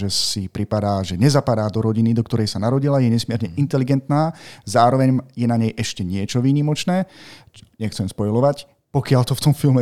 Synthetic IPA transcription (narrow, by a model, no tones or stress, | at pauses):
ʒɛsipɾipad̪aːʒɛɲɛzapad̪aːd̪ɔɾɔɟinid̪ɔkt̪ɔɾɛjsanaɾɔɟilajɛɲɛsmɪɛɾɲɛint̪ɛliɡɛnt̪naːzaːɾɔʋɛɲjɛnaɲɛjʔɛʃcɛɲɪɛt͡ʃɔʋiːɲimɔt͡ʃnɛː | ɲɛxt͡sɛmspɔjlɔʋac | pɔkɪaʎt̪ɔft̪ɔmfilˠmɛ